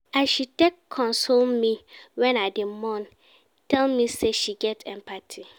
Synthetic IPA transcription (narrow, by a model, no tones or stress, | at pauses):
aʃitɛkʰːɔ̃nsommĩwɛ̃nadɪmɔ̃n | tʰɛlmĩsɛʃiɡɛtʰɛmpʰatʰi